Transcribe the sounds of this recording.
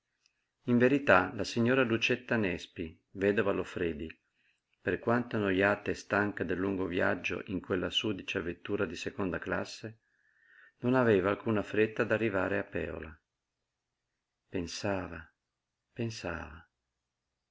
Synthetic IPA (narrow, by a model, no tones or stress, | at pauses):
iɱveɾit̪alasiɲːoːɾalut͡ʃet̪ːanɛspi | vɛd̪ovalofɾɛːd̪i | perkwant̪onojaːt̪est̪aŋkad̪elːuŋɡovja̰d͡ʒːo̰ʔiŋkwelːasuːd̪it͡ʃeavːet̪ːuːɾad̪isekond̪akla̰sːe | nonaveːvaːlkuːnafɾet̪ːad̪arːivaːɾeapːɛ̰ːo̰la | pensaːva | pensaːva